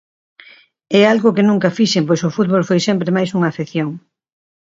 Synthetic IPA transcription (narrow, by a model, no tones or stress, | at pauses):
ɛalɣʊkɪnũŋkɐfiʃempojsʊfut̪̚βolfojsɛmpɾemajsuŋaːfeθjoŋ